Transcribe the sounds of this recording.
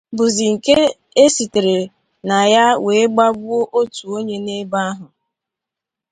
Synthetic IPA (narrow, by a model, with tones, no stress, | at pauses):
bʊ˨zi˨ŋ̩˨ke˦ | e˦si˨te˨ɾe˨ | na˨ja˦we˨˦ɡ͡ba˦bʊ˦o˦ʔo˦tu˨o˦ɲe˦ne˦ba˦a˦ɦʊ˨